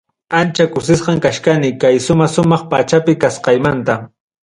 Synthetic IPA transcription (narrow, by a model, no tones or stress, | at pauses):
ant͡ʃakʊsɪsqɑŋkaʃkanɪkajʃʊmɑʃʊmɑχpat͡ʃapɪkasqɑjmant̪a